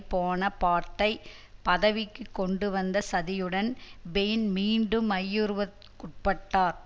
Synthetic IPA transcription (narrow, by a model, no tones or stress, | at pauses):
poːnɐpaːɾt̪ːɐɪ | pɐðɐʋɪkːɯkːɔɳɖɯʋɐnd̪ɐsɐðɪjɯɽɐnbeːnmiːɳɖɯmɐjːɯɾɯʋɐ | kʊʈ̚pɐʈːaːɾ